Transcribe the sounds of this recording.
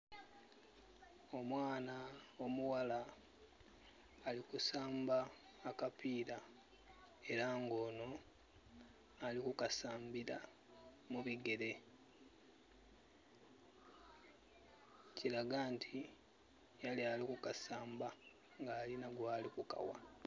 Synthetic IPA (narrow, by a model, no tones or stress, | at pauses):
o̞mwaːnao̞muwala | likusaːmbaː | kapiːɾa | e̞ɾaŋɡo̞ːno̞ | alikukasaːmbiɾa̰ | muβiɡe̞ɾe̞ | ciɾaɡaːntʰi | jalialikukasaːmba | ŋɡaːlinaɡwaːlikuka̰wa̰